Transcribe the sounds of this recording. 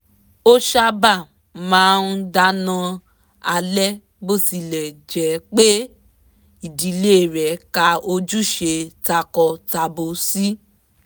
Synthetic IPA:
o˦ʃa˧ba˦˨ | mãː˨˦˧n̩˦da˧˦nã˧ | a˧lɛ˦ | bo˦˨si˧lɛ˨d͡ʒɛ˨˦k͡pe˦ | i˦˨di˨le˦˨ɾɛ˨ka˧o˧d͡ʒu˦ʃe˧ta˧kɔ˧ta˧bo˧si˦

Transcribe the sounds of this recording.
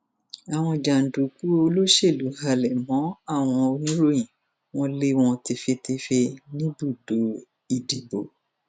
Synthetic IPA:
a˨w̃ɔ̃˧d͡ʒa˨n̩˨du˨ku˦o˧lo˦ʃe˦˨lu˨˦ha˧lɛ˨mɔ̃˨˦a˦˨w̃ɔ̃˧o˧nũ˦ɾo˦jĩ˨ | w̃ɔ̃˧le˦w̃ɔ̃˧ti˧fe˧ti˧fe˧nĩ˦bu˦˨do˨˦ | i˨di˨bo˨

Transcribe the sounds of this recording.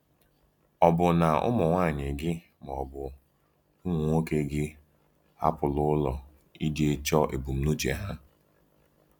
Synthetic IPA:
ɔ˨bʊ˨na˨ʊ̰˦mɔ˨ŋʷa˦˨ɲɪ˨ɡɪ˦ | m˨ɔ˨bʊ˨ | u˦ŋʷ˨ŋʷo˦ke˦ɡɪ˦ | ha̰˦pʊ˨lʊ˦lɔ˨ | i˦de˦t͡ʃɔ˦ʔḛ˨bu˨m̩˦nu˦t͡ʃḛ˨ɦa˦

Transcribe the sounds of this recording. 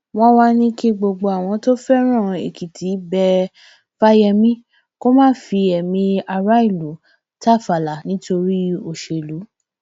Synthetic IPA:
w̃ɔ̃˦wa˧nĩ˦ki˦ɡ͡bo˧ɡ͡bo˧a˨w̃ɔ̃˧to˦fɛ˦ɾ̃ã˦˨ḛ˨ki˨tʰi˨˦bɛ˧ | fa˦jɛ˧mĩ˦ | ko˦mãː˦fi˧ɛ˨mĩ˧a˧ɾa˦i˦˨lo˨˦ | ta˦˨fa˨la˨˦nĩ˨˦to˧ɾi˦o˧˨ʃe˨lu˨˦

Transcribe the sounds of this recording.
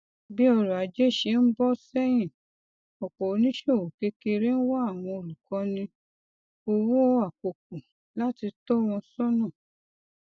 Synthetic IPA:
bi˦ɔ˧ɾɔ˨a˨d͡ʒe˦˨ʃe˧˦n̩˦bɔ˦sɛ˦j̃ĩ˦˨ | ɔ˨kɔ˨o˨˦nĩ˦ʃe˦o˦˨wo˨ke˦ke˧ɾe˦n̩˦wɔ˦a˦˨w̃ɔ̃˧o˧˨lu˨kɔ̃˨˧˦nĩ˧ | o˧wu˦o˧˦a˦˨ko˨k̚u˨ | la˦ti˧tɔ˦w̃ɔ̃˧sɔ˦nɔ̃˦˨

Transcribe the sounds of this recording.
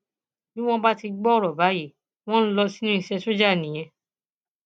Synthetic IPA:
nĩ˦w̃ɔ̃˦ba˦ti˧ɡ͡bɔ˦ɾɔ˨ba˨˦ji˦˨ | w̃ɔ̃˦lɔ˧si˦nũ˦i˧ʃɛ˧so˦d͡ʒa˦˨nĩ˨j̃ɛ̃˧

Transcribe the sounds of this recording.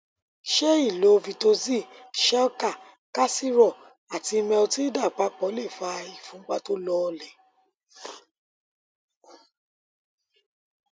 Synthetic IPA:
ʃe˦i˦˨lo˨˦˧vi˧to˧zi˦˨ʃɛ˦ɔ˦ka˦˨ | ka˦si˦ɾɔ˦˨ | a˨ti˧mɛ̃˧o˧ti˦da˦˨k͡pa˨˦k͡pɔ˨˦le˦˨fa˧i˨fũ˨˦k͡pa˦to˦lɔ˦˧lɛ˨

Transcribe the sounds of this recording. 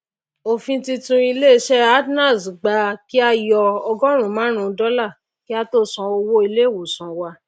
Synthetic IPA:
o˧fĩ˧ti˧tũ˧i˧le˦˧ʃɛ˦a˦dnã˦˨sɡ͡ba˧˦ki˦a˦jɔ˧ɔ˧ɡɔ˦ɾ̃ũ˨mã˨˦ɾ̃ũ˦˧dɔ˦la˦˨ | ki˦a˦to˦˨sɔ̃˧o˧wo˦i˧le˦˨wo˨sɔ̃˨wa˧˦

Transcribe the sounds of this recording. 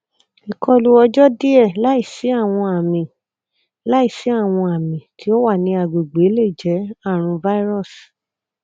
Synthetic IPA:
i˨kɔ˧lu˧ɔ˧d͡ʒɔ˦di˦ɛ˦˨la˦i˦˨si˨˦a˦˨w̃ɔ̃˧a˨mĩ˨ | la˦i˦˨si˨˦a˦˨w̃ɔ̃˧a˨mĩ˨tʰi˨˦ɔ˦wa˦˨nĩ˧a˨ɡ͡bo˨ɡ͡be˨˦le˦˨d͡ʒɛ˨˦a˦˨ɾ̃ũ˧va˦i˦ɾɔ˦˨s

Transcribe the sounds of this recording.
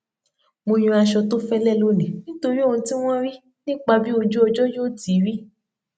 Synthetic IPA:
mo˧j̃ũ˧a˧ʃɔ˧to˦fɛ˦lɛ˦˨lo˦nĩ˨nĩ˦to˧ɾi˦o˦˨ũ˧ti˦w̃ɔ̃˦ɾi˦ | nĩ˦k͡pa˧bi˦o˧d͡ʒu˦ɔ˧d͡ʒɔ˦jo˦˨di˨˦ɾi˦

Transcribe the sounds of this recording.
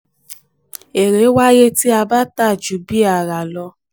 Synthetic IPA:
e˨ɾe˨˦wa˦je˦ti˦a˧ba˦ta˦˨d͡ʒu˨˦bi˦a˦˨ɾa˨lɔ˧

